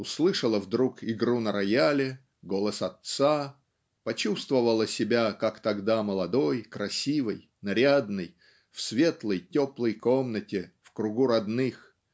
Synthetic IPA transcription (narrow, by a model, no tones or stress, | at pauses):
ʊslˠɨʂəlˠəvd̪ɾukɪɡɾunəɾɐjalʲɪ | ɡo̞lˠəsɐt̪sa | pɐt͡ɕust̪vəvəlˠəsʲɪbʲakakt̪ɐɡd̪aməlˠɐd̪o̞jkɾɐsʲivɨj | nɐɾʲad̪nəj | fsvʲe̞t̪lˠəjtʲoplˠəjko̞mnətʲɪfkɾʊɡuɾɐd̪nɨx